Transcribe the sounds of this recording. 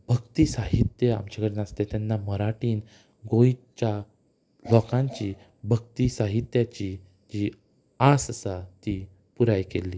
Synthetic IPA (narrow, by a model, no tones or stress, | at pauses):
b̥ʱəɡt̪iːsaɦit̪jəa̰mt͡ɕakəɽenast̪et̪janːaməɾaʈiːn | ɡoit͡ɕa | lɔkãɲt͡ɕi | bʱəɡ̚t̪isaɦit̪jat͡ɕi | d͡ʑi | asəsat̪i | puɾajkelːiː